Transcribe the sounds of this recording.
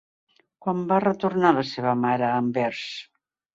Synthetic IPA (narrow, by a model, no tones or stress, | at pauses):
kwambarət̪uɾnaləseβəmaɾəːmbɛɾs